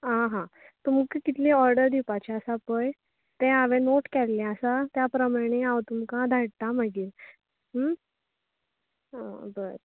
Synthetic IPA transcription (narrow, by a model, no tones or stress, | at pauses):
ɦãɦã | t̪uməɡkkit̪lẽɔɾɖəɾd̪ipat͡ɕeəsapəj | t̪ɛ̃aʋẽnoʈkɛllɛ̃əsat̪japɾəmaɽ̃ẽãwt̪umkãd̪ʱaɽt̪aməɡiːɾ | ɦ | bəɾ